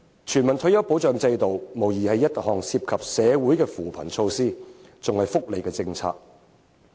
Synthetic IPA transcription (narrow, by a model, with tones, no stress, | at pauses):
t͡ʃʰyː˨˩nmɐ˨nt̪ʰɵ˨˥jɐ˨˥wpo˨˥wt͡ʃœː˨ŋt͡sɐ˧jt̪o˨wmo˨˩wjiː˨˩hɐ˨jːɐ˥t̚hɔː˨˩ŋsiː˧p̚kʰɐ˨p̚sɛː˨˧wuː˨˥jkɛː˧fuː˨pʰɐ̰˨˩nt͡sʰo˧wsiː˥ | t͡sʊ˨ŋhɐ˨jfʊ˥k̚le˨jkɛː˧t͡sɪ˧ŋt͡sʰa̰ː˧k̚